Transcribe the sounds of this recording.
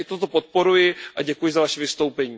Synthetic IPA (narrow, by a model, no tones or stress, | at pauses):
t̪ot̪o̞po̞t̪̚po̞ɾujɪʔaɟɛkujɪzavaʃɛvɪst̪o̞wpɛɲiː